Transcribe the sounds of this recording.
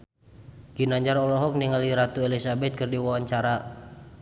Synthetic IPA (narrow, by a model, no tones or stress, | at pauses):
ɡ̥inaɲd͡ʒarɔlɔɦɔk̚niŋaliɾat̪uelisabɛt̪̚kərdiwawaɲt͡ʃaɾa